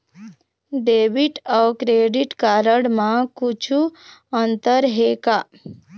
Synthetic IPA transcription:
ɖeːbiʈawkɾeɖiʈkaːɾəɽmãkut͡ʃʰuənt̪əɾɦeka

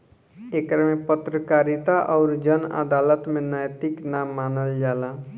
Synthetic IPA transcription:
ekɾmepət̪ɾəkaɾit̪aʔɔʊɾd͡ʒənə̰d̪alət̪menəjt̪iknamːanəld͡ʒala

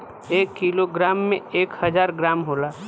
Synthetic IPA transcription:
ekːiloɡɾamːḛekhəd͡ʒaɾɡɾamɦola

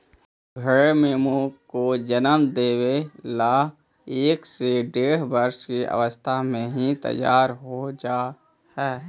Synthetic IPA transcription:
ɡʱəɾemeːmukod͡ʒənəmd̪eːwela | eːkseɖeːɽ̤bəɾʃkiʔə̰ʋəst̪ʰamẽɦit̪ə̰jːaːɾɦod͡ʒaː | hɛː

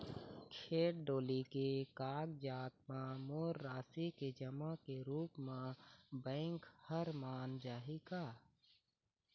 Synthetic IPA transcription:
kʰeːʈɖoːlikekaːɡ̚d͡ʒaːt̪mãmoːɾːaːsiked͡ʒəmakeɾuːpmẽbɛ̃ːŋkhəɾmaːnd͡ʒaːɦikaː

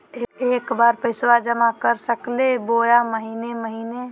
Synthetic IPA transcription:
ekbaɾpəɪswad͡ʒəmakəɾsəklebojaməɦineməɦine

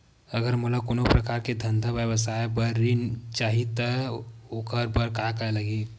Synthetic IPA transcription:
əɡəɾmulakonopɾəkaɾked̪ʱənd̪ʱəʋjəʋəsajbəɾːint͡ʃaɦit̪əokəɾbəɾkakajləɡi

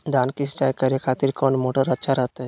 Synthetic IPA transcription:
d̪aːnkist͡ʃaːjkəɾekʰaːt̪iɾkɔːnmoːʈəɾətːʃʰaɾəɦt̪a

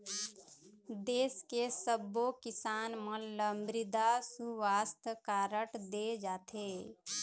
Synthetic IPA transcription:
d̪eːskesəbːokɪsaːnmə̃ləmbɾɪd̪asuʋaːst̪ʰkaːɾəʈd̪ed͡ʒaːt̪ʰeː

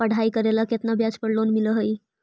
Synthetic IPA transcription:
pəɽ̤ʱaikəɾelaket̪nabʱjad͡zpəɽlonmiləɦəj

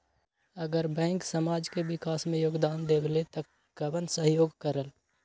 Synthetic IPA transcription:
əɡəɾbɛ̃ːŋksəmaːd͡ʒkeʋɪkaːsmẽjoːɡd̪aːnd̪eːkʰlet̪ə | ɡəbənsəɦjoːɡkəɾəl

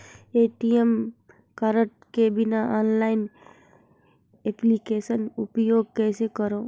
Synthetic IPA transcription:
eːʈiem | kaɾəʈkebɪnaaːnlaːɪn | eplikeːʃənʊpjoːɡ̚kɛːsekəɾoː

